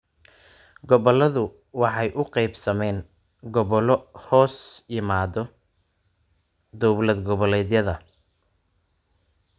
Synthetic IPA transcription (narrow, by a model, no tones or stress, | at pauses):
ɡɔβɔlɐðʊ | wɑħɑjʔʊqɛjbsɐmɛːŋ | ɡɔβɔlhɔːsjɪmaːd̪ɔ | d̪ɔwblɐd̪ɡɔβɔlɛːd̪jɐðɐ